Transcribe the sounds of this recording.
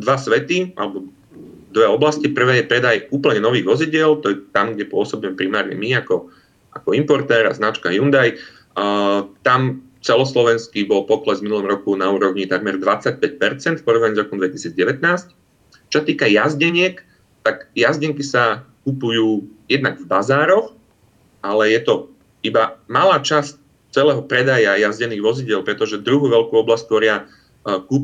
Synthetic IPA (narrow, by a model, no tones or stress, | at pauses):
d̪ʋasʋɛt̪ia̰lɛbɔ | d̪ʋɛɔblascipr̩ʋɛːjɛpɾɛd̪ajuːpl̩ɲɛnɔʋiːɣʋɔziɟɪɛlt̪ɔjɛt̪amɡɟɛpʊɔsɔbiːmɛpɾimaːɾɲɛ̰miakɔ | ʔa̰kɔimpɔɾt̪ɛːɾa̰znat͡ʃkajund̪aj | t̪am | t͡sɛlɔslɔʋɛnskibɔlpɔklɛzminulɔmɾɔkunauːɾɔʊɲit̪aɡmɛɾd̪ʋat͡sac̚pɛc̚pɛɾt͡sɛnt̪fpɔɾɔʋnaɲiːzɾɔkɔmd̪ʋɛcisiːd͡zɟɛʋɛt̪naːsc | t͡ʃɔ̥sat̪iːkajazɟɛɲɪɛk | t̪aɡjazɟɛŋkisakupujuːjɛd̪naɡvbazaːɾɔx | ʔalɛjɛt̪ɔ | ibamalaːt͡ʃasc | t͡sɛlɛːɦɔpɾɛd̪ajajazɟɛniːɣʋɔziɟɪɛlpɾɛt̪ɔʒɛd̪ɾuɦuːʋɛlkuːɔblasc̚t̪ʋɔɾɪa | kup